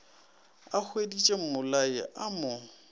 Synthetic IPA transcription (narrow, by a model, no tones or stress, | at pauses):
ak͡xʰwedit͡ʃʼem̩mʊlajɪʔamʊ